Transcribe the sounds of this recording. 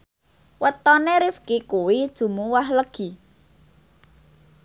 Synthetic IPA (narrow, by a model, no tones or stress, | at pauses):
wət̪ɔneɾɪfkikuwid̥ʒ̥ṳmuwahləɡ̥i̤